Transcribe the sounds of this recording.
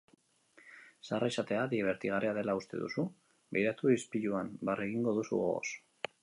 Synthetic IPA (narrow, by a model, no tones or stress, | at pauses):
saraesat̪e̞aðiβ̞e̞ɾt̪iɣ̞areaðe̞laust̪e̞ðṵsu | be̞jɾat̪uispiʎuambareɣiŋɡo̞ðusṵoɣo̰s